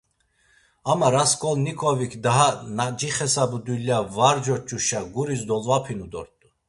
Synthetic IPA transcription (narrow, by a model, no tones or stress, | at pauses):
amaɾaskʼɔlnikʰɔvikʰd̪aɦanad͡ʒiχɛsabud̪uljavaɾd͡ʒɔt͡ʃʼuʃaɡuɾisd̪ɔlvapʰinud̪ɔ̰ɾt̪ʼu